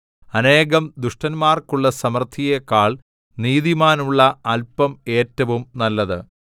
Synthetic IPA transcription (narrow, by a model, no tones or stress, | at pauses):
ɐne̞ːɣɐmd̪uʂʈɐnmaːrkuɭːɐsɐmɐrt̪ʰijekaːɭ | niːðimaːnuɭːɐɐlpɐme̞ːtːɐʋumnɐlːɐðɨ̰